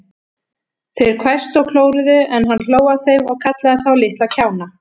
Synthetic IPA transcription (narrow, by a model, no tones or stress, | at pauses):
θejɾ̥kʰvɛ̥st̪ɔɣkʰloːwɾʏðʏɛnɦanːl̥oːwaθejvɔɣkʰat̪laðaθawlɪht̪aðcʰaːwna